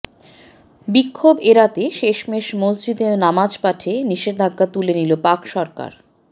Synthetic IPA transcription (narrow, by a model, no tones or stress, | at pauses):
bikʰːobeɾat̪eʃeʃmeʃmosd͡ʑid̪eɾnamad͡ʑpaʈʰeniʃed̪ʱaɡːat̪ulenilopakʃɔɾka̰ɾ